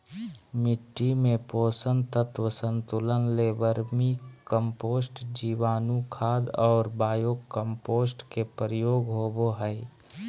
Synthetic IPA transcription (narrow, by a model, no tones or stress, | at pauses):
mɪʈːimẽpoːsənt̪ət̪wəsə̃nt̪ulənleːʋəɾmikəmpoːsʈd͡ʒiːʋaːnukʰaːd̪ɔːɾbaːjoːɡkəmpoːsʈkepɾəjoːɡɦoːboɦɛɪ